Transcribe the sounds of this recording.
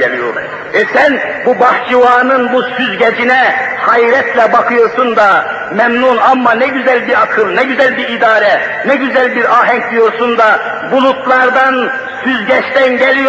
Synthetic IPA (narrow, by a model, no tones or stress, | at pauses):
ɛlijo̰ɾ | ɛsɛnbubɑht͡ʃʰivɑːnɯnbusyzɟʲɛd͡ʒinɛhɑjɾɛt̪ʰlɛbɑkʰɯjoɾsund̪ɑ | mɛmnunɑmːɑnɛɟyzælbiɾɑkʰɯlˠnɛɟyzælbiɾid̪ɑːɾɛ | nɛɟyzælbiɾɑːɦɛŋk̚d̪ijoɾsund̪ɑ | bulˠut̪lˠɑɾd̪ɑn | syzɟɛʃt̪ɛnɟɛlij